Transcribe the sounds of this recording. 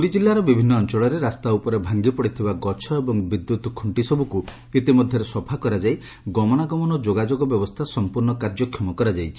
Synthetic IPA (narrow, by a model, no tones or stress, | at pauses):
puɽid͡ʒilːaɾɔbibʱinːɔːnt͡ʃɔɭɔɾeɾast̪aupɔɾebʱaŋɡipɔɽit̪ʰibaɡɔt͡ʃʰɔebɔŋbid̪ːut̪kʰuɳʈisɔbuku | it̪imɔd̪ʱjɔɾesɔbʱakɔɾad͡ʒaj | ɡɔmɔnaɡɔmɔnɔd͡ʒoɡad͡ʒoɡɔbjɔbɔst̪ʰasɔmpuɾɳɔkaɾd͡ʒɔkʰjɔmɔkɔɾad͡ʒajt͡ʃʰi̥